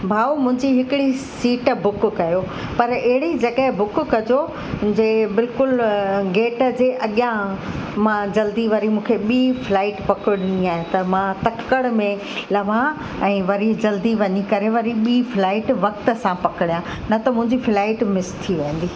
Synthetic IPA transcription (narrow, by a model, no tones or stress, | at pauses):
bʱaːomʊ̃ɦɪ̃ɲd͡ʑiɦɪkɪɽisiːʈbʊkkɐjo | pɐɾeɦɪɽid͡ʑɐɠəɦbʊkkɐd͡ʑo | d͡ʑeːbɪlkʊlɡeːʈə̆d͡ʑeːʔɐɠjãmãd͡ʑɐld̪iʋɐɾimũːkʰeɓiːflaːɪʈpɐkɪɽɪniaːɦet̪ɐmãt̪ɐkkəɽmẽ | lɐʋã | ɛ̃ːʋɐɾid͡ʑɐld̪iʋɐɲikɐɾeʋɐɾiɓiːflaːɪʈʋɐk̚t̪ə̆sãpɐkɪɽijã | nɐt̪ɐmʊ̃ɦɪ̃ɲd͡ʑiflaːɪʈmɪst̪ʰːiʋẽːn̆d̪iː